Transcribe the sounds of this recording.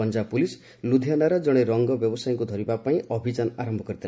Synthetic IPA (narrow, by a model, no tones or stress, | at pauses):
ɔnd͡ʒapulis | lud̪ʱjanaɾɔd͡ʒɔɽ̃eɾɔŋɡɔbjɔbɔsajɔ̃ŋkud̪ʱɔɾibapaĩɔbʱid͡ʒanɔaɾɔmbʱɔkɔɾit̪ʰil